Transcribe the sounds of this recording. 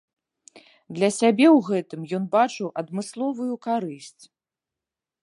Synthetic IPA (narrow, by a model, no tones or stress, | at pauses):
d̪lʲɐsʲabʲɛwɣɛt̪ɨmjɔnbat͡ʂɨwʔɐd̪mɨslˠɔvujukaɾɨsʲt͡sʲ